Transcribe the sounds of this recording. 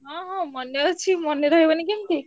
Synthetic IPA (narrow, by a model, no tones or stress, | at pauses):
ɦãɦãmənːjət͡ʃʰimənːeɾəɦeʋanik̬ɛmt̪ʰi